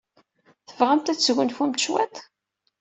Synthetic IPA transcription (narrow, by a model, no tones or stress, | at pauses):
θəvʁamt̪æɣʷənfumt̪ʃwæt̪